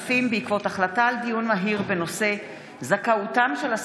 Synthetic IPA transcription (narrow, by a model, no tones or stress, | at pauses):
fimbeikvo̞taχlataːldijunmaɦiʁbeno̞se̞ | zakautamʃelas